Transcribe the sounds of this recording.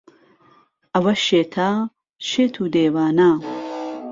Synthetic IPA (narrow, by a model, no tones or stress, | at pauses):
ʔɐwɐʃeːt̪ʰaː | ʃeːt̪ʰuːd̪eːwaːnaː